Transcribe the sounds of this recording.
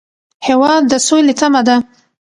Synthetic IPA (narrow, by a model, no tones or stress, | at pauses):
hewɑd̪ːəsolet̪amad̪a